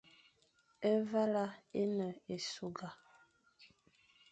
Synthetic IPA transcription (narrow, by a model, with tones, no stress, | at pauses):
e˦va˦la˦e˦nə˨e˨su˨ɡa˨